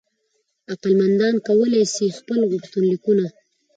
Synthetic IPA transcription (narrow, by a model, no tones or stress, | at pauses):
aqalmand̪ɑnkawəlesixpəlɣʊkt̪ʊnlikuna